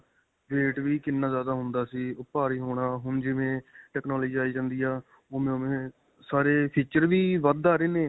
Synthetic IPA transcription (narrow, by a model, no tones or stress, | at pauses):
ɡeːʈʋiːkɪnːaːzjaːd̪aːɦʊnd̪aːsiːʊpaːɾiːɦoːɳaːɦʊɳd͡ʒɪʋẽːʈɛːknaːlːd͡ʒiːaːiːd͡ʒãːnd̪iːaː | oːmẽːomẽː | saːɾeːpʰiːt͡ʃəɾʋiːʋəd̪aːɾeːneː